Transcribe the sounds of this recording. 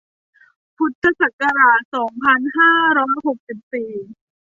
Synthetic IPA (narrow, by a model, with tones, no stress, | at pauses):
pʰu˨˩t̪ʰːa˧sa˨˩ka˧ɾaː˨˩t̪̚sɔː˩˦ŋpʰa˧nɦaː˥˩ɾɔː˦˥jho˨˩k̚si˨˩p̚siː˨˩